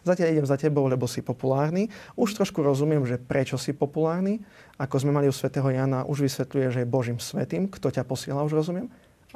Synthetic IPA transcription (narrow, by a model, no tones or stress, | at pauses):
zacɪaʎiɟɛmzacɛbɔʊlɛbɔsipɔpulaːɾniuʃt̪ɾɔʃkuɾɔzumɪɛmʒɛpɾɛt͡ʃɔsipɔpulaːɾni | akɔzmɛmaliusʋɛt̪ɛːɦɔjaːnaʔuʒʋisʋɛt̪lujɛʒɛjɛbɔʒiːmsʋɛt̪iːmkt̪ɔcapɔsɪɛlauʒɾɔzumɪɛm